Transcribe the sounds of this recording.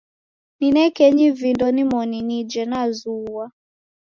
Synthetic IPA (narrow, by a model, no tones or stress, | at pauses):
ninɛkɛɲivindɔnimɔninid͡ʒɛnazuwa